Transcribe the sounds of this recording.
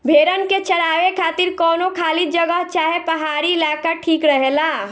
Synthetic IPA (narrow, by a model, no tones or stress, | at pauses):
bʱeːɾənket͡ʃəɾaːʋekʰaːt̪iɾkɔːnokʰaːlid͡ʒəɡəɦt͡ʃaːɦepəɦaːɾiːlaːkaʈʰiːkɾəɦelaː